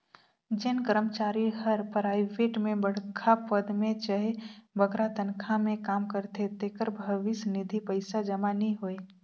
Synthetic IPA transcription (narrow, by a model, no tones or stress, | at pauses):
d͡ʒɪnkəɾəmt͡ʃaːɾiɦəɾpɾaːɪʋeːʈmẽbəɽ̤kʰapəd̪mẽt͡ʃəɦebʱəɡɾat̪ənkʰamẽkaːmkəɾt̪et̪ekəɾbʱəʋɪsnɪd̪ʱipɐɪsad͡ʒɐmaniɦoːe